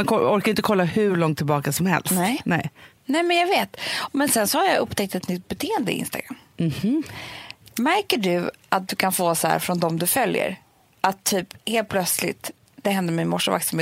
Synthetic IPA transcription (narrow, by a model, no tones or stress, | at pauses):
mankʰɔɔɾkaɾɪnt̪əkʰɔlːahɵɭɔŋt̪ʰːɪlbɑːkasɔmhɛ̰lsnt̪ɛnɛ̰ɪ | nɛmɛnjaɡveːt̪mɛnsɛnsɔhaɾjaʔɵpːt̪ɛk̚t̪ɛt̪nʏt̪̚ːbɛt̪ʰeːɛnd̪əɪ̰ʔɪ̰nst̪aɡɾa̰mːm̩h | mæɾkəɖɵʔat̪̚d̪ɵkʰanfoːsɔhæ̰ːɾfɾɔnd̪ɔmd̪ɵfœljə̰ɾ | ʔat̪ʰːyːpheːlt̪̚pʰlœt̪slɪ̰t̪ | d̪̥ɛɦɛnd̪əɾmɛmɔʂːʊva̰ɾksame